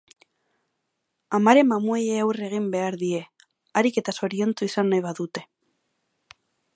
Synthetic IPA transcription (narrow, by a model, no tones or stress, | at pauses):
amaɾe̞mamuejeawre̞ɣ̞imbe̞aɾðie̞ | aɾike̞t̪aso̞ɾio̞nt͡suisanːajβaðut̪e̞